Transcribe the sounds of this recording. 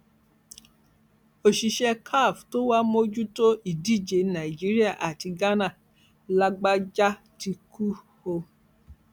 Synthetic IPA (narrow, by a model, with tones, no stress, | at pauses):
o˨ʃi˧ʃɛ˧kʰa˦˨fto˦wa˦mo˦d͡ʒu˦to˦ʔi˦˨di˦˨d͡ʒe˨˦nã˨i˨d͡ʒi˨˦ɾi˦a˦˨ʔa˨ti˧ɡa˦nã˦˨ | la˧ɡ͡ba˦d͡ʒa˦ | ti˧ku˦ho˧